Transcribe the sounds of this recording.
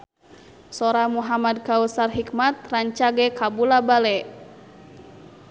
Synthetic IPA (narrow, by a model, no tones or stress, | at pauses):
sɔɾamuɦamad̚kausarɦikmat̪̚raɲt͡ʃaɡɛkabulabalɛ